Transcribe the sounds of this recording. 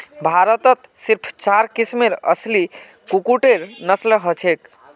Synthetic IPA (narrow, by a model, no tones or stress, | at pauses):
bʱaɾət̪ət̪ | siɾpʰt͡ʃaɾkismeɾə̰sli | kukuʈeɾnəsləɦət͡ʃʰek